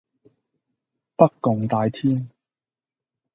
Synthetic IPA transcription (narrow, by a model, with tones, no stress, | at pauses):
pɐ˥kːʊ˨ŋt̪aː˨˧jt̪ʰiː˥n